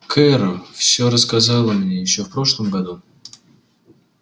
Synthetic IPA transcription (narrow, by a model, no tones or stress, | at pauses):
kʰɛɾʊfsʲɵɾəskɐzɑlˠəmnʲe̞jɪɕːofpɾo̞ʂlˠəmɡɐd̪u